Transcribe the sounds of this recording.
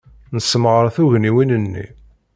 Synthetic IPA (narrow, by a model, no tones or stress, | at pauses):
nəsːəmʁəɾˤθuʝniwinənːḭ